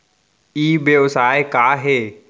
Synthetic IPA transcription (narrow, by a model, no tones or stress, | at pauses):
iːbjeʋsaːekaːɦeː